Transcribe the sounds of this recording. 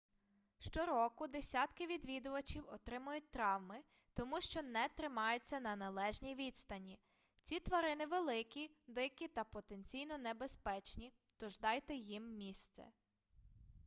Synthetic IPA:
ʃt͡ʃɔɾɔkʊd̪esʲat̪kɪʋʲid̪ʋʲid̪ʊʋɐt͡ʃiwɔt̪ɾɪmʊjʊt̚ʲt̪ɾɑwmɪ | t̪ɔmuʃt͡ʃɔnɛt̪ɾɪmɑjʊt͡sʲːɐnɐnɐlˠɛʒnʲijʋʲid̪st̪ɐnʲi | t͡sʲit̪ʋɐɾɪnɪʋelˠɪkʲid̪ɪkʲit̪ɐpɔt̪enʲt͡sʲijnɔnebespɛt͡ʃnʲit̪ɔʒd̪ɑjt̪ɛjimːʲist̪sɛ̰

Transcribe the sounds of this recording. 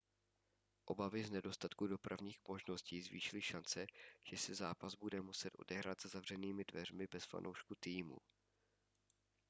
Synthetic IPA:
ʔo̞bavɪznɛdo̞st̪at̪kudo̞pɾavɲiːxmo̞ʒno̞sciːzvḭːʃɪlɪʃant͡sɛʒ̥ɛsɪzaːpazbudɛmusɛt̪ʔo̞̰dɛɦɾaːt̪z̥azavr̝ɛniːmɪdvɛrmɪbɛsfa̰nʔo̰wʃkut̪iːmṵ

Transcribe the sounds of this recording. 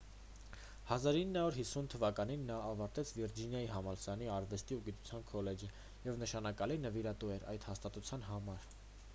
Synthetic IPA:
hɑzɑɾinːɑuɾɦisːunt̪ʰəvɑkɑninːɑːvɑɾt̪ɛt͡sʰviɾd͡ʒinjɑjiɦɑmɑlsɑniɑɾvɛst̪iuɡit̪u̥t͡sʰjɑnkʰɔlɛd͡ʒə | jɛvnəʃɑnɑkɑlinəviɾɑt̪uɛɾɑ̰jt̪hɑst̪ɑt̪ut͡sʰjɑnɦɑmɑɾ

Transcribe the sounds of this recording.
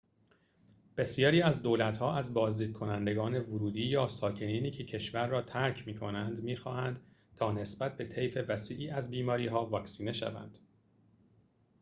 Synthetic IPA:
b̥e̞sijɒːɾiːæzd̪oːlæt̪hɒːʔæzbɒːzd̪iːd̪̚kʰo̞nænd̪e̞ɡɒːne̞vʊɾuːd̪iːjɒːsɒːcʰe̞niːniːcʰe̞cʰe̞ʃvæɾːɒːt̪ʰæɾcʰmiːkʰo̞nænd̪miːxɒːhænd̪ | t̪ʰɒːne̞sbæt̪̚ʰbe̞t̪ʰe̞jfe̞væsiːʔiːæzbiːmɒːɾiːɦɒːvɒːksiːne̞ʃæ̰væ̰nd̪̥

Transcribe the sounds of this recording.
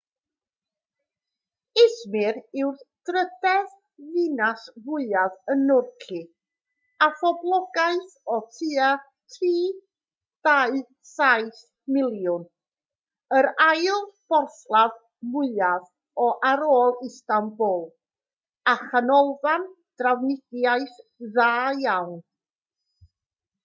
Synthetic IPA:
ɪsmɪɾɪwrθd̥rədɛð | ðɨnasmʊɨavənʊrkʰi | afɔblˠɔɡaɨθɔtʰiːa | tʰiː | d̥aɨ | sajθ | mɪlˠjʊn | əɾajlˠb̥ɔrθlˠav | mʊɨav | ɔʔaɾoːlˠɪstambʊlˠ | aχanɔlˠvan | d̥rawnɪɡ̥jaɨθðaːjawn

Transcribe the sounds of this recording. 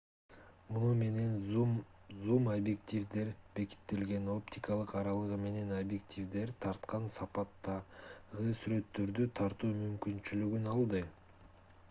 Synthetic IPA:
munume̞ne̞n | zumɐbʲjekt̪ʲivd̪e̞ɾbe̞ki̥t̪ːe̞lɡe̞no̞pt̪ʰʲikɑlˠɯqɑɾɑlˠɯʁɯme̞ne̞nobje̞k̚t̪ʲʰivd̪e̞ɾt̪ʰɑɾt̪qɑnsɑpɑt̪ːɑʁɯsyɾø̞t̪ːø̞ɾd̪yt̪ʰɑɾt̪uːmymkynt͡ʃylyɡynɑlˠd̪ɯ

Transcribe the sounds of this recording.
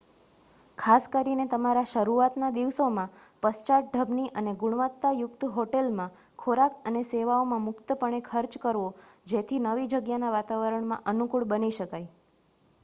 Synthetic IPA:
kʰaskəɾinet̪əmaɾaʃəɾuat̪nad̪iʋsomãpəst͡ʃaʈ̚ɖʱəbniʔəneɡʊɳ̃ʋət̪ːajʊkt̪ɦoʈelmã | kʰoɾakəneseʋaomãmʊkt̪əpəɳ̃ekʰəɾt͡ʃkəɾʋod͡ʒet̪ʰinəʋid͡ʒəɡjanaʋat̪aʋəɾəɳmãʔənukuɭbəniʃəkaj

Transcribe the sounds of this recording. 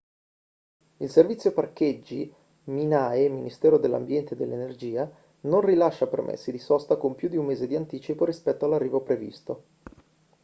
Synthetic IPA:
ilservit̪sjoparked͡ʒːi | minaːeminist̪ɛːɾod̪elːa̰mbjɛnt̪ed̪ːḛlːenerd͡ʒiːa | nonrilaʃːapermʔḛsːid̪isɔst̪akompjud̪iummːeːzed̪iant̪iːt͡ʃipoɾispɛt̪ːoalːarːiːvopɾevḭst̪o

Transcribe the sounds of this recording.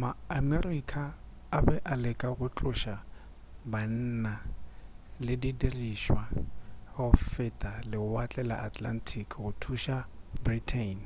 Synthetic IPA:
maːmerikʰʼaː | bɛʔalɪkʼaɣʊt͡ɬʼʊʃa | ban̩na | lɪdidiriʃwahɔfɪtʼalɪʊat͡ɬʼɛla̰ʔatʰʼlan̩tʰikʰʼɣʊtʰuʃabritʰen

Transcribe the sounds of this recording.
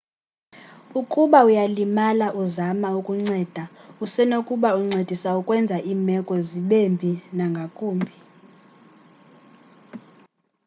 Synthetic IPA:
ukʼuɓaujalimalaʔuzamaukʼuŋ͡ǀɛːd̥ʱausɛnokʼuɓauŋ͡ǀed̥ʱisaukʼwɛnd͡zʱaʔiːmɛkʼɔziɓembʱinaŋɡʱakʼuːmbʱi

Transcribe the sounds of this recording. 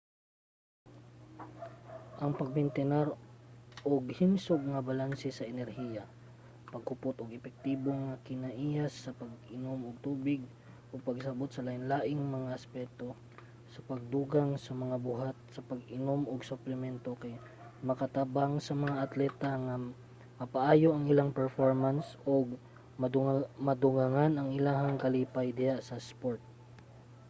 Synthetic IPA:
ʔɐŋpɐɡ̚bɛnt̪ɛnaɾʔoɡhɪmsoɡ̚ŋɐbɐlansɛsɐʔɛnɛɾhiːjɐ | pɐɡ̚hʊpot̪oɡɛpɛk̚t̪iːboŋɐkɪnɐʔiːjasːɐpɐɡʔɪnomoɡ̚t̪uːbɪɡ̚ | ʔoɡ̚pɐɡsɐbot̪̚sɐlaʔɪnlaːʔɪŋmɐŋaʔɐspɛt̪o̞ | sɐpɐɡ̚d̪uːɡaŋsɐmɐŋabʊɦat̪̚sɐpɐɡɪnomʔoɡsʊplɛmɛnt̪okɐj | mɐkɐt̪abaŋsɐmɐŋaʔɐt̪lɛːt̪ɐŋɐ | mɐpɐʔaːjoʔɐŋɪlaŋpɛɹfoɹmansʔoɡ | mmɐd̪ʊɡaŋanɐŋɪlaːɦɐŋkɐliːpɐjd̪ɪjaʔsɐspoɹt̪̚

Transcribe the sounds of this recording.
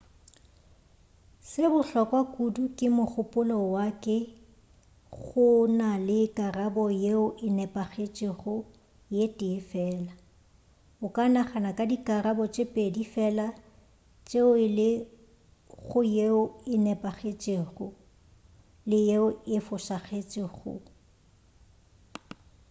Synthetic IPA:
sɪbʊɬɔkʼwakʼudukʼɪmʊk͡xʊpʼʊlɔwakʼɛ | ɣʊnalɪkʼarabɔjeʊʔɪnɛpʼaɣet͡ʃʼeχʊ | jetʼɪfɛːla | ʊkʼanaχanakʼadikʼarabɔt͡ʃʼɪpʼedifɛla | t͡ʃʼeʊɪlɪ | ɣʊjeʊɪnɛpʼaɣet͡ʃʼeːɣʊ | lɪjeʊɪfʊsaχet͡ʃʼɪɣʊ̰

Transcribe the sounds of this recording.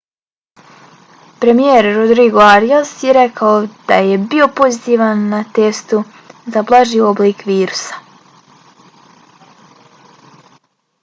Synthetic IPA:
pɾe̞mijeɾːod̪ɾiɡoaɾijasjeɾe̞kʰaod̪̥aje̞bio̞po̞zit̪iːʋanːat̪e̞st̪u | zablˠaʒio̞bliːkʋiːɾusḁ

